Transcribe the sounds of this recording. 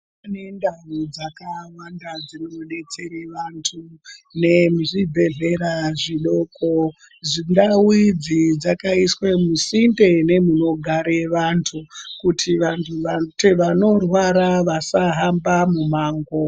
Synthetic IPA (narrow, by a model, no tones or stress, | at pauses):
panendaʋud͡zakawandad͡zinooɗe̞t͡se̞ɾeʋantʰune̞muʐibʱe̞ɮe̞ɾaʐiɗo̞ko | zindawid͡zid͡zakaiswe̞musinde̞ne̞muno̞ɡʱaɾe̞ʋantʰukutʰiʋantʰuʋateʋano̞rwaɾaʋasaɦambamumaːŋɡo